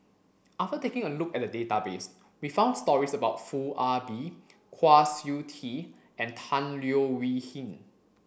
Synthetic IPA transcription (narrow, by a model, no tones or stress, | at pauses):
ʔaftətekɪ̃ŋəlukɛt̚dədetabes | wifãʊ̃nstɔɹisəbaʊtfuʔabikʰwasjutʰi | ʔɛ̃ntʰãnliowihĩn